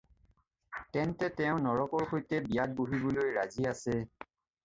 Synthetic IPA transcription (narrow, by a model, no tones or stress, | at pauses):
tɛntɛtɛʊ̃nɔɹɔkɔɹxojtɛbijat̚boɦibolojɹaziasɛ